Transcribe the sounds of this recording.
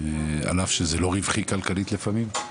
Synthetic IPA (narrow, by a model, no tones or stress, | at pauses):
a̰lafʃezelo̞ʁivχikalkalit̪lefamim